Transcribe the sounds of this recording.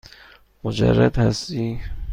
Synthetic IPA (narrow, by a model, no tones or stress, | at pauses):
mod͡ʒæ̰rːæd̪hæst̪i